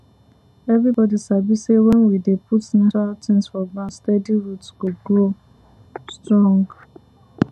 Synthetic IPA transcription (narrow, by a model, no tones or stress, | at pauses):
ɛvɹibɔdisabisewɛ̃nwidepʰutn̩tatĩnsfɔbastɛdiɹutskuɡɹo | stɹɔ̃ŋɡ